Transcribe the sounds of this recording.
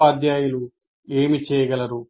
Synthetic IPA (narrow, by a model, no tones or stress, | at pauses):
ad̪jaːjulu | eːmit͡ʃɛːjɐɡɐlɐɾu